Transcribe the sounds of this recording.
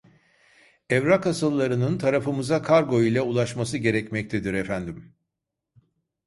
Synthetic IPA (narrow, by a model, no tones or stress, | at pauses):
ɛvɾakasɯlˠːaɾɯnɯnt̪ʰaɾafɯmɯzakʰaɾɡo̞ilʲɛulˠaʃmasɯɟe̞ɾɛcmɛc̚t̪ʰed̪iɾɛfænd̪im